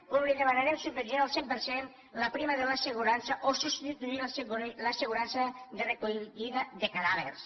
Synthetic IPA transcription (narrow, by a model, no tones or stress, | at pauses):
uβliðemanaɾemsubmenonalˠsempəɾsen | lapɾimaðelaseɣuɾansaʔosust̪it̪uilslaseɣuɾansaðerekuiðaðekaðaβḛɾs